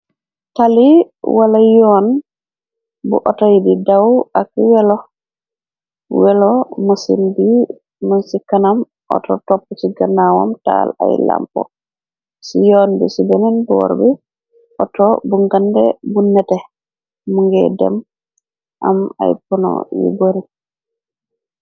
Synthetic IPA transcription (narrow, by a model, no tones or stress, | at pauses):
tali | walajɔn | bṵʔɔtajdidawakiwɛlɔ | wɛlɔmusḭndi | munsikanam | ʔɔ̰tɔ̰tɔpːɔt͡ʃiɡanawa̰mta̰la̰jla̰mpɔ̰ | sijɔnbɛsibɛnɛnbɔɾbɛ | ʔɔtɔbuŋɡandɛ̰bunːɛtɛ | muŋɡɛ̰dɛ̰m | ʔa̰ma̰jpɔnɔ̰jṵboɾi